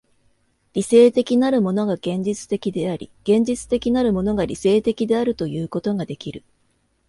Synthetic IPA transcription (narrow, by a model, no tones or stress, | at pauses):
ɾʲise̞ːt̪e̞kʲinaɾɯ̟mo̞no̞ɡaɡ̥ẽ̞ɲ̟d͡ʑit͡sɨ̥t̪e̞kʲid̪e̞aɾʲḭɡ̥ẽ̞ɲ̟d͡ʑit͡sɨ̥t̪e̞kʲinaɾɯ̟mo̞no̞ɡaɾʲise̞ːt̪e̞kʲid̪e̞aɾɯ̟t̪o̞jɯ̟ːko̞t̪o̞ɡad̪e̞kʲiɾɯ̟